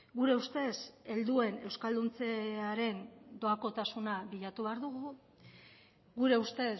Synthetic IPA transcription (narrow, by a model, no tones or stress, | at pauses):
ɡuɾe̞ust̪e̞se̞ld̪ue̞ne̞wskald̪unt͡se̞aɾe̞nd̪o̞ako̞t̪asunaβiʎat̪uβeaɾðuɣu | ɡuɾe̞ust̪e̞